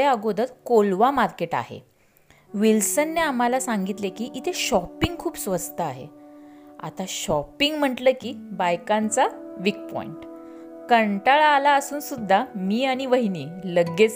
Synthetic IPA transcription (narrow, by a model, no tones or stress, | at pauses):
eəɡod̪ət̪kolʋamaɾkeʈa̰ɦḛ | ʋilsənːeam̤alasaŋɡit̪lekiːʔit̪ʰeɕɔpiŋɡ̚kʰuːbsʋəd͡zt̪əaɦḛ | a̰t̪aɕɔpiŋɡm̤əɳʈləːkiːbajkant͡saʋik̚pɔ̰ḭɳʈkəɳʈəɭalaəsuːnsud̪ʱːamiːaɽ̃iʋəɦiniːləɡe